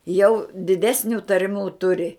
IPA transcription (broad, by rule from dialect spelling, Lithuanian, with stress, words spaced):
jɛʊ dʲɪˈdʲæːsʲnʲʊ tɐrʲˈmʲuː ˈtʊrʲɪ